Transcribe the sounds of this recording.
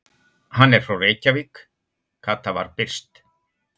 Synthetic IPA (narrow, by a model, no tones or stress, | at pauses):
hanːɛɾ̥fɾawreːjcavik | kʰat̪ːava̰ɾpɪr̥st̪